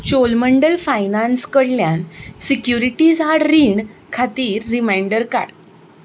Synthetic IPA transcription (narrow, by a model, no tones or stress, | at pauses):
t͡ɕolməɳɖəlfajnanskəɽljansikjuɾiʈiːd͡zaɽɾiːɳkʰat̪iːɾːimajɳɖəɾka̰ɽ